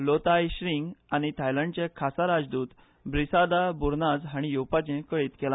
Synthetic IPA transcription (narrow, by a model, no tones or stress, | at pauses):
lot̪ajɕɾiŋɡaɽ̃it̪ʰajlãɳɖt͡ɕẽkʰasaɾad͡zd̪uːt̪ | bɾisad̪abuɾnad͡zɦaɽ̃ijuwpat͡ɕẽkəɭiːt̪kɛlã